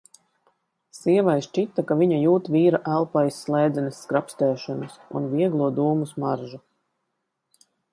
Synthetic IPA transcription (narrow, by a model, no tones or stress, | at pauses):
siɛvajst͡ʃit̪akaviɲajuːt̪viːɾaʔælˠpajsːlˠɛːjd̪zɛnesːkɾapst̪ɛːʃɔnusṵnviɛɡlˠuɔd̪uːmusmaɾʒu